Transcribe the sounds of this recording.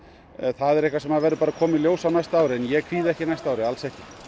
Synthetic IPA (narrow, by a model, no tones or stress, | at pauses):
θaðɛɾɛhkvasɛmaðvɛjɾʏpaːɾakʰɔːmɪljowsawnajst̪aːwɾɪɛnjɛkʰviːðɛhcɪnajst̪aːwɾɪalsɛhcɪ